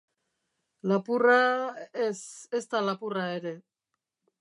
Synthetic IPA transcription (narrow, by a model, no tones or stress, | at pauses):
lapuraesest̪alapurae̞ɾe̞